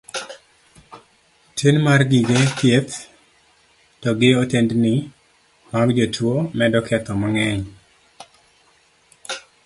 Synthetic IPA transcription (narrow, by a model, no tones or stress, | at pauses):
tʰenmarɡiɡetjet̪ | tɔɡɪotendnɪ | maɡd͡ʒotwomɛdɔkʰɛt̪ɔmɔŋɛɲ